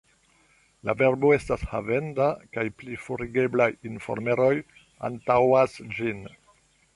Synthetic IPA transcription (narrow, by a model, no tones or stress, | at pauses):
la̰ve̞ɾbo̞e̞stashavendakajplifuɾiɡe̞blajinfo̰ɾme̞ɾo̞j | a̰ntawasd͡ʒin